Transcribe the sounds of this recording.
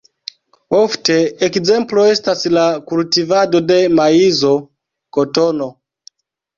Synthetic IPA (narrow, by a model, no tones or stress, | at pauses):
ofteːkzemploestaslakultivadodemaizo | kotono